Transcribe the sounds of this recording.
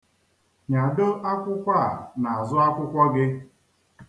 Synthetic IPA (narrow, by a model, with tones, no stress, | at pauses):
ɲa˨do˦ʔa˦kʷʊ˦kʷa˦˨na˨a˨zʊ˦a˦kʷʊ˦kʷa˦ɡɪ˦